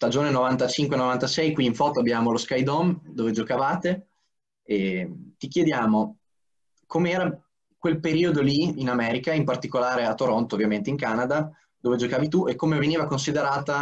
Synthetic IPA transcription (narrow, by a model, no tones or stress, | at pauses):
st̪ad͡ʒoːnenovant̪at͡ʃiŋkwenovant̪asɛjkwiːɱfɔːt̪oabjaːmoloskajd̪ɔmd̪oːved͡ʒokavaːt̪e | et̪ikjed̪jaːmo | komeɛːɾa | kwelpeɾiːod̪oliinamɛːɾikaimpart̪ikolaːɾeat̪ːoɾont̪oːvːjament̪eiŋkanad̪a | d̪oːved͡ʒokaːvit̪uekːomeveniːvakonsid̪eɾaːt̪a